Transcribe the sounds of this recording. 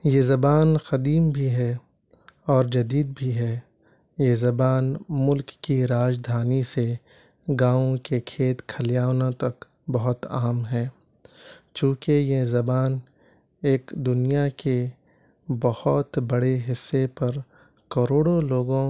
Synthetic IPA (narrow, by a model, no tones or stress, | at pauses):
jezɐbaːnxɐd̪iːmbʱiɦɛː | ɔːɾd͡ʒɐd̪iːd̪̚bʱiɦɛː | jezɐbaːnmʊlkːiɾaːd͡ʒd̪ʱaːnise | ɡaːõkekʰeːt̪kʰɐljaːnõt̪ɐk | bɐɦʊt̪aːmɦɛː | t͡ʃũːkejezɐbaːn | eːkd̪ʊnijake | bɐhɔt̪bɐɽeɦɪsːepɐɾ | kɐɾoːɽoloːɡõ